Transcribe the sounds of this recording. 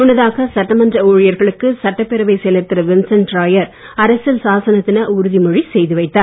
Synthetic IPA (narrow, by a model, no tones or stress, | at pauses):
ʊnːɐðaːɣɐsɐʈːɐmɐndrɐoːɻɪjɐɾɣɐɭɯkːɯsɐʈːɐpːɛɾɐʋɐɪsɛlɐɾt̪ːɪɾɐʋɪnsɐnʈɾaːjɐɾ | ɐɾɐsɐlsaːsɐnɐt̪ːɪnɐʊɾʊðimɔɻisɛjðɯʋɐɪt̪ːaː